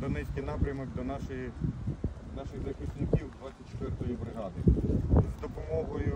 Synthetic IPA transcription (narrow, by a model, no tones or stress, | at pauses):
d̪ɔnɛsʲkijnɑpɾʲɐmɔkd̪ɔnɑʃɪji | nɑʃɪɣzɐxɪsnɪkʲiwd̪ʋatt͡sʲːɐt̚ʲt͡ʃe̥t̪ʋɪrt̪ɔjibɾɪɦɑd̪ɪzd̪ɔpɔmɔɦɔjʊ